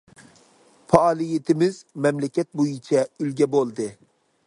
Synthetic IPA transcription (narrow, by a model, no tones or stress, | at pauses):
fɑːlˠijet̪ʰɪmɪzmɛmlɛkʲɛt̪̚bojit͡ʃʰɛylɡʲɛbolˠd̪ɪ